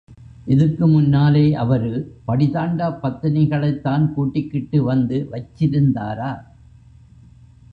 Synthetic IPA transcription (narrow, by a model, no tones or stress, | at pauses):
ʔɪðɐrkɯmʊnːaːleːʔɐʋɐɾɯpɐɽɪðaːɳɖaːpːɐt̪ːɪnɐɪɣɐɭɐɪt̪ːaːnkuːʈːɪkːɪʈːɯʋɐnd̪ɯʋɐt͡ʃːɪɾɯnd̪a̰ːɾaː